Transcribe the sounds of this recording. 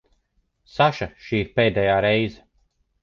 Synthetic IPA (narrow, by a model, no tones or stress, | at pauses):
saʃaʃiːpeːd̪ɛjaːɾɛjzɛ